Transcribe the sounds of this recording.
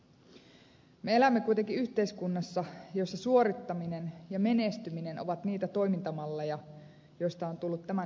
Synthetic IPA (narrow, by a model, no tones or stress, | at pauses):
meelæmːekuijt̪eŋkiyht̪e̞iskunːɑsːɑjo̞sːɑsuo̞ɾit̪ːɑminenjɑme̞ne̞st̪ymine̞noʋɑt̪niːt̪æt̪o̞jmint̪ɑmɑlːejɑ | jo̞ist̪ɑont̪ulːut̪t̪ːæmæ